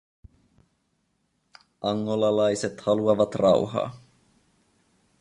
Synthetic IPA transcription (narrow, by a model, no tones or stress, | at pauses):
ʔɑŋːolɑlɑjse̞t̪hɑluɑʋɑt̪rɑṵɦɑ̰ː